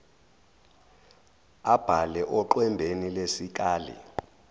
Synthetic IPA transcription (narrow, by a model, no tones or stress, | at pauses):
ab̥ʱalɛʔɔǃwɛmbʱenilesik̬ʼaːlḭ